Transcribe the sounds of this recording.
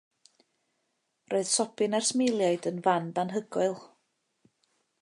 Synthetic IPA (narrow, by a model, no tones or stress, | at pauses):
rʔoɨð̥sɔpʰɨnarsmelˠjaɨdənvanbanɦəɡɔɨlˠ